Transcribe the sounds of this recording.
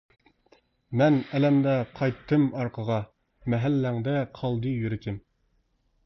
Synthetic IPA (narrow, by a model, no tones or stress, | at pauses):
mɛnɛlɛmd̪ɛqʰɑjt̪ʰːɨmɑɾqʰəʁɑ | mɛɦælːæŋd̪ɛqʰɑlˠd̪ɨjyɾɪt̪ʰɪm